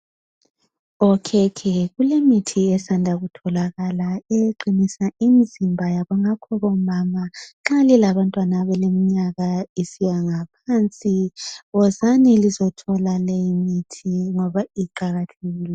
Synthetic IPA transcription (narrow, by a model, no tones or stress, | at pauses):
ɔkʰɛkʰɛɣulemitʰiɛsandʱaɣutʰɔlaɣalaeǃinisaimizimbʱajaβaŋakʰɔβɔmamaǁalilaβantʼwanaβɛlemiɲaɣaisijaŋapʰant͡sʼiɣɔzanilizɔtʰɔlalejimitʰiŋɔβaiǃaɣatʰeɣiːlɛ